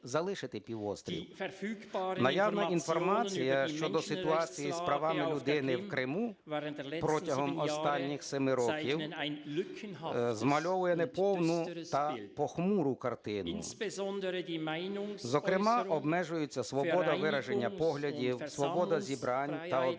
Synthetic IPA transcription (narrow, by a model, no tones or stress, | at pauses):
zɐlˠɪʃɪt̪ɪpʲiwɔst̪ɾʲḭwfnɐjawnɐʔinfɔrmɑt͡sʲijɐʃt͡ʃɔd̪ɔsɪt̪ʊɑt͡sʲijispɾɐʋɑmɪlʲʊd̪ɪnɪwkɾɪmu | pɾɔtʲɐɦɔmɔst̪ɑnʲːixsɛmɪɾɔkʲiwkzmɐlʲɔʋʊjɛnɛpɔwnʊt̪ɐpɔxmuɾʊkɐrt̪ɪnʊ̰ | ɪnzɔkɾɪmɑʔɔbmɛʒʊjet͡sʲːɐsʋɔbɔd̪ɐʋɪɾɐʒenʲːɐpɔɦlʲɐdʲiwsʋɔbɔd̪ɐzʲibɾɑnʲt̪ɐɔ